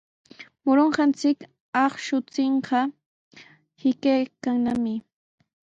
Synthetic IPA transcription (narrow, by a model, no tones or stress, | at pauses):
mʊɾoɴɢɑnt͡sɪk | ɑχʃʊt͡sɪɴɢɑ | hɪkajkaŋnamɪ